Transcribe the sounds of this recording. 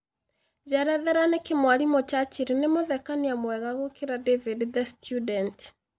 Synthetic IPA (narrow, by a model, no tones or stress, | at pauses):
d͡ʒɛɾɛðɛɾanekemwaɾimot͡ʃat͡ʃiɾinemoðɛkaneamwɛɣaɣokeɾadevidðɛstʰjudɛnt